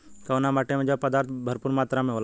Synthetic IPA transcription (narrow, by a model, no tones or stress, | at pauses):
kəʋnamaːʈemẽd͡ʒəbpəd̪aːɾt̪ʰbʱəɾpuɾmaːt̪ɾamẽɦoːl